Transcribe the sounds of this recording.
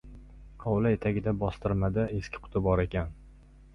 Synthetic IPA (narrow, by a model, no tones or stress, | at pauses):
ɒwlae̞t̪ʰaɡʲɪd̪abɒst̪ɪɾmad̪ɪe̞skʲɪ̥qʰʊ̥t̪ʰɪbɒɾe̞kʲan